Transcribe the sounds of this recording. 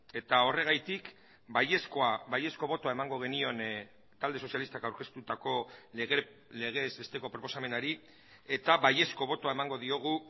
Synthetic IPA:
e̞t̪ao̞re̞ɣ̞ajt̪ik | baje̞sko̞aβaje̞sko̞β̞o̞t̪oae̞maŋɡo̞ɣ̞e̞nio̞n | t̪ald̪e̞so̞sjalist̪akawɾke̞st̪ut̪ako̞leɣe | le̞ɣ̞e̞ze̞st̪e̞ko̞pɾo̞po̞same̞naɾi | e̞t̪aβaje̞sko̞β̞o̞t̪o̞ae̞maŋɡoðio̞ɣ̞u

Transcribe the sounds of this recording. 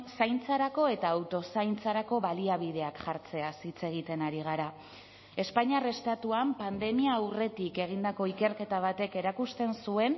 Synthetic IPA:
sajnt͡saɾako̞e̞t̪aːwt̪o̞sajnt͡saɾako̞βaliaβ̞ið̞e̞akʝaɾt͡se̞asit͡se̞ɣ̞it̪e̞naɾiɣaɾa | e̞spaɲare̞st̪at̪uampand̪e̞miaːwre̞t̪ike̞ɣ̞ind̪ako̞ike̞ɾke̞t̪aβ̞at̪e̞ke̞ɾakust̪e̞nsue̞n

